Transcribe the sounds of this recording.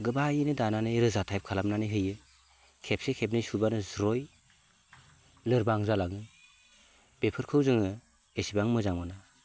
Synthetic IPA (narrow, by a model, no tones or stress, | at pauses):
ɡɯbajinɯdananɯjɾɯzatʰajp̚kʰalamnanɯjɦɯjɯ | kʰep̚sekʰep̬̚nɯsubanɯzɾɔj | lɯɾbaŋzalaŋɯ | b̥epʰɯɾkʰɯwzɯŋɯ | esibaŋmɯzaŋmɯna